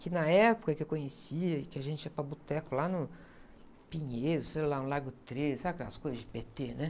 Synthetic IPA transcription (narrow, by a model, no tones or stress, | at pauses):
kɪnɐɛpʊ̥kɐkɪewkõɲesiɐɪkɪaʒẽnt͡ʃɪiɐpɾɐbut̪ɛkʊlanʊ | pĩɲeɾʊsejlaũlaɡʊt̪ɾesabɪkɐskojzɐzd͡ʒɪpet̪enɛ